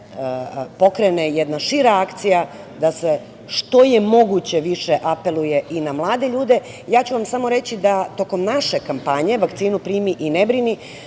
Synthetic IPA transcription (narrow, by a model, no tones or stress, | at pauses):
po̞kɾenejed̪naʃiɾaakt̪sija | d̪ase | ʃt̪o̞je̞mo̞ɡut͡ɕe̞ʋiʃe̞ʔape̞luje̞ʔinamlˠaːd̪e̞ʎuːd̪e̞ | jaːt͡ɕuʋamsamo̞ɾe̞t͡ɕid̪at̪o̞ko̞mnaʃe̞kampaɲe̞ʋakt̪siːnupɾiːmiʔinebɾini